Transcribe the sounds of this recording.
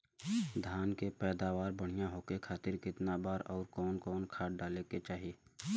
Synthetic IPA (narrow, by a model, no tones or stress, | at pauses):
d̪ʱaːnkepɛːd̪aːʋaːɾbəɽ̤ijaɦoːkekʰaːt̪ɪɾkɪt̪nabaːɾɔːɾkɔːnkɔːnkʰaːʈ̚ɖaːleket͡ʃaːɦieː